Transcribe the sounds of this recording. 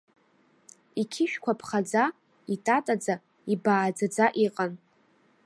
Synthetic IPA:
ikʲʰɪʃᶣkʷʰapʰχad͡za | itʼatʼad͡za | ibaːd͡zad͡zaʔiqʼan

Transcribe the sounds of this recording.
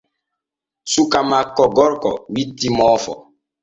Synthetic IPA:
sukamakɔɡɔɾkɔ̰witimɔfɔ̰

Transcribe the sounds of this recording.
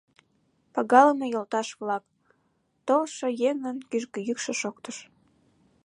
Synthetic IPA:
pɑɣɑləmejolt̪ɑʃβlɑk | t̪olʃojeŋənkyʒkəjykʃeʃokt̪əʃ

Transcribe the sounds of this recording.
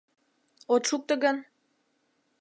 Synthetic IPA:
ot̪ʃuk̚t̪ə̆ɡən

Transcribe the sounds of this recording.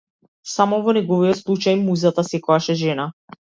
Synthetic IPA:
samɔvɔnɛɡɔvijɔt̪slˠut͡ʃajmuzat̪asɛkɔjaʃɛʒɛna

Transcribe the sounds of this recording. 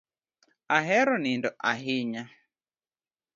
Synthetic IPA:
aɦɛɾɔnindɔʔaɦiɲa

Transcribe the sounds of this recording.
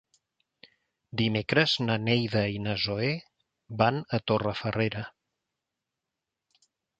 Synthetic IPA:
d̪imekɾəznənejðəinəzoe | banət̪orəfəreɾə

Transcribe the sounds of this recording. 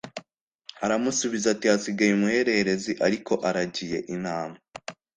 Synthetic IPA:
haɾamusuβizatihasiɡajumuhe̞ɾe̞heɾe̞ziʔaɾikʰo̞ʔaɾaɟije̞̰ʔinaːma

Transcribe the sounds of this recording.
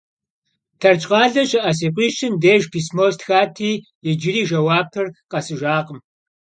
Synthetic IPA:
tʰɐrt͡ʃʼqʼɑːɮɐɕɪʔɐs̬eːqʷʼiːʃɪmdeːʒpʰiːsmoːstxaːtʰiː | jɪd͡ʒɪɾiːʒɐwaːb̚tʰɨrqʼɐsɨʒaːqʼəm

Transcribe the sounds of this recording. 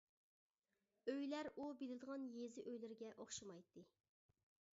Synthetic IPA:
øjlæɾubelɪd̪əʁɑnjezɪʔøjlɪɾɡʲɛʔoχʃɑmɑjt̪ːɨ

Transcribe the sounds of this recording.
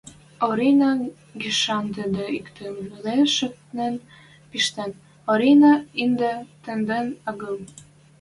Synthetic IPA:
oɾinɑ | ɡiʃɑnt̪ə̆d̪ə̆ikt̪enleʃə̆k̪nen | piʃt̪en | oɾinɑind̪ət̪ɘ̆nd̪ĕnɑɡɤm

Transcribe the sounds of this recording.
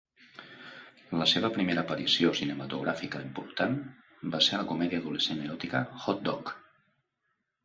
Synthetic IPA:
ləseβ̞əpɾimeɾəːpəɾisiosinəmət̪uɣɾafikəimpuɾt̪an | baseɾləkumɛðiəðuleseneɾɔt̪ikə̰xɔt̪̚d̪ɔk

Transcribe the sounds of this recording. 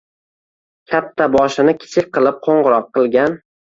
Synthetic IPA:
kʲʰat̪ʰːabɒʃɪnɪkʲʰɪ̥t͡ʃʰɪk̚ʲqɨlˠɪp̚qʰoɴʁɨɾɒqʰːɨlˠɡʲan

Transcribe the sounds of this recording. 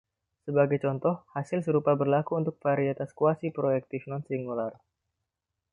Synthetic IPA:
səbaɡajt͡ʃɔnt̪ɔhhasɪlsəɾupabərlakuːnt̪ʊk̚faɾiat̪askuasipɾoɛk̚t̪ifnɔnsiŋɡular

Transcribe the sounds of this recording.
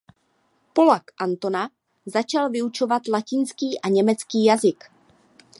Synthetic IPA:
po̞lakʔant̪o̞na | zat͡ʃalvɪut͡ʃo̞vat̪lacɪnskiːʔaɲɛmɛt͡skiːjazɪk

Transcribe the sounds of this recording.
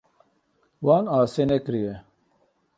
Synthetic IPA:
waːnaːsenekɾije

